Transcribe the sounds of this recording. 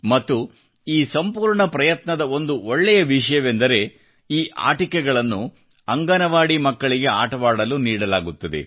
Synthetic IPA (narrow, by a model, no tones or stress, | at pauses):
mɐt̪ːu | iːsɐmpuːɾɳɐpɾɐjɐt̪nɐd̪ɐo̞nd̪uoɭːɛjɐʋiʂ̬ɐjɐʋend̪ɐɾe̞ | iːʔa̰ːʈikɛɡɐɭɐnːu | ɐŋɡaːnɐʋaːɽimɐkːɐɭiɡe̞aːʈɐʋaːɽɐluniːɽɐlaːɡut̪ːɐd̪e̞̰